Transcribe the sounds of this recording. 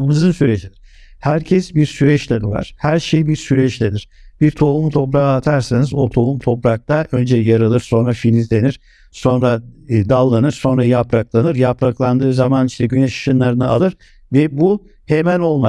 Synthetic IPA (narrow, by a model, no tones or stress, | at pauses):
mɯzɯnsyɾed͡ʒid̪iɾhæɾcʰɛsbiɾsyɾɛt͡ʃlʲeniva̰ɾ̥hæɾʃejibiɾsyɾɛt͡ʃlʲeniɾ̥b̥iɾt̪ʰo̞lˠumt̪ʰo̞pɾaaːt̪ʰaɾsinizot̪ʰo̞lˠumt̪ʰo̞pɾak̚t̪ʰaʔø̞nd͡ʒɛjaɾɯlˠɯɾso̞nɾafinʲizlʲe̞niɾ̥ | so̞nɾad̪alˠːanɯɾso̞nɾajapɾaklˠanɯɾjapɾaklˠand̪ɯːzamaniʃt̪ʰɛɟynɛʃʃɯnlˠaɾɯnɯa̰lˠɯɾ | vɛbu | hemæno̞lˠma